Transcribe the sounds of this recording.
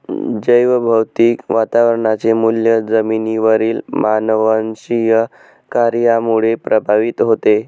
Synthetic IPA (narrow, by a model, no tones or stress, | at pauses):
d͡ʑəjʋəbʱəwt̪iːkʋat̪aʋəɾɳat͡semuljəd͡zəminiʋəɾiːlmanəʋənɕijə | kaɾjamuɭepɾʔəbʱaʋit̪ɦot̪e